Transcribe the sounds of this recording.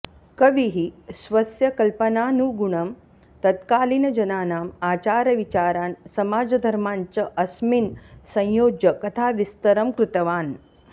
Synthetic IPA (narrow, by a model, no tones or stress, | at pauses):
kɐʋiɦisʋɐsjɐkɐlpɐnaːnuɡuɳɐm | t̪ɐt̪kaːlinɐd͡ʒɐnaːnaːmaːt͡ʃaːɾɐʋit͡ʃaːɾaːnsɐmaːd͡ʒɐd̪ʱɐɾmaːɲt͡ʃɐʔɐsminsɐ̃j̃joːd͡ʒjɐkɐt̪ʰaːʋist̪ɐɾɐmkɾut̪ɐʋaːn